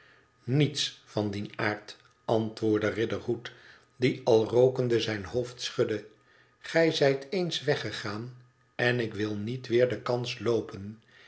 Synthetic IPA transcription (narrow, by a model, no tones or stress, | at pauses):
nitsfɑndinaːɹt | ɑntʋʊːɹdərɪdəɹɦut | diɑlˠrowkəndəzɛjnɦoʊftsχɵdə | χɛjzɛjtejnsʋɛχəχaːn | ɛnɪkʋɪlˠnitʋɪːɹdəkɑnslowpən